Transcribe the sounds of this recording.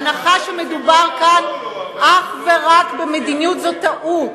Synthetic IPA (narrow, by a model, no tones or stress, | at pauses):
naχaʃeme̞dubaʁkanʔaχveʁakbemed̪injut̪zot̪aʔu